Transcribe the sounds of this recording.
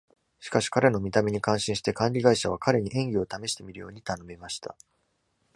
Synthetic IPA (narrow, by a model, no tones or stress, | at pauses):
ɕi̥kaɕi̥kaɾe̞no̞mʲit̪ame̞ɲ̟ikãɰ̃ɕĩɕi̥t̪e̞kãɲɾʲiɡaiɕaβ̞akaɾe̞ɲ̟iʔẽ̞ŋɡʲio̞t̪ame̞ɕi̥t̪e̞mʲiɾɯ̟jo̞ːɲ̟it̪ano̞memaɕi̥t̪a̰